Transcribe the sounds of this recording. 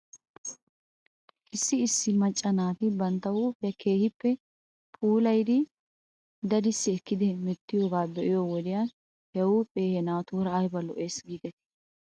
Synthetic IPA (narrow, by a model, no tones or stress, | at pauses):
ʔɪsːɪːsːɪmɐt͡ʃʼːɐnaːt̪ɪbɐnt̪ːɐwuːpʼjɐkʰe̞ːhɪpːɛ | pʼuːlɐjd̪ɪ | d̪ɐd̪ɪsːɪɛkːɪd̪ɛmɛt̪ːɪjoːbaːbɛʔɪjoːwɔd̪ɪjan | hɛwupʼe̞ːhɛnaːt̪uːɾɐːjbɐlɔ̰ʔe̞ːsɡiːɡ̪ɛt̪ɛ̥